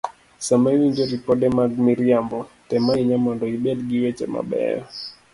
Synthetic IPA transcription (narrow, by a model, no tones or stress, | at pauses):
samaiwiɲd͡ʒɔɾipɔɗɛmaɡmiɾiambɔtɛmaiɲamandɔiɓɛdɡiwɛt͡ʃɛ̰ma̰ɓɛ̰ɔ